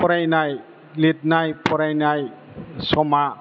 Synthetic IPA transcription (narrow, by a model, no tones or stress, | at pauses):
pɔɾajnaj | lit̪̚najpʰɔɾajnaj | sɔma